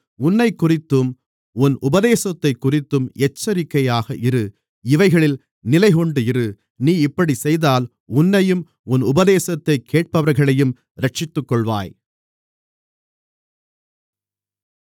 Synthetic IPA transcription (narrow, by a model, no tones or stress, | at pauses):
ʊnːɐɪkːʊrɪt̪ːɯm | ʊnʔʊbɐðeːsɐt̪ːɐɪkːʊrɪt̪ːɯmɛt͡ʃːɐɾɪkːɐjaːɣɐʔɪɾɯ | ɪʋɐɪɣɐɭɪl | nɪlɐɪɣɔɳɖɯɪɾɯ | niːɪpːɐɽisɛjðaːl | ʊnːɐjɯm | ʊnʊbɐðeːsɐt̪ːɐɪkʰːeːʈ̚pɐʋɐɾɣɐɭɐjɯm | ɾɐʈ̚t͡ʃɪt̪ːɯkːɔɭʋa̰ːj